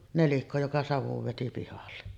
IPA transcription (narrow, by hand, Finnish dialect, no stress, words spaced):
nelikːo jokɑ sɑʋuʋ ʋeti pihɑlːe